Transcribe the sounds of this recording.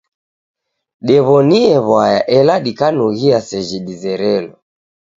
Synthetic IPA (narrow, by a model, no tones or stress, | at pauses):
ɗɛβɔniɛβwajaʔɛlaɗikanuɣiasɛʒiɗizɛɾɛlɔ